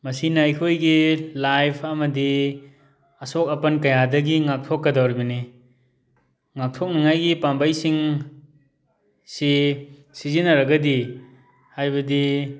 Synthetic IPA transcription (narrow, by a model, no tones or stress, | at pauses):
mɐsinajkʰojɡilajpʰɐmɐdi | ɐsok̚ɐpɐnkɐjadɐɡiŋak̚tʰokːɐdawɾibɐni | ŋak̚tʰok̚naŋajɡipambajsiŋ | sisizinɐɾɐɡɐdi | hajbɐdi